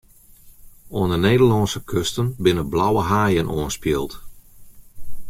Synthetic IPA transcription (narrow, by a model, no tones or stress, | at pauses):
oəndəneːdərlɑnsəkʰøstənbɪnəblawəɦaːjənoənspjiəlˠt